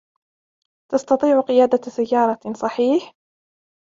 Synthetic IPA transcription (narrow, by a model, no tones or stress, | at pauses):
t̪ɑst̪ɑt̪ˤiːʕqɪjaːd̪asajːɑːɾˤɑsˤɑħiːħ